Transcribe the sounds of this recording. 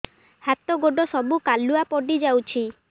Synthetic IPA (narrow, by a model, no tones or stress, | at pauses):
hat̪ɔɡoɖɔsɔbukalːuapɔɖid͡ʒawt͡ʃʰi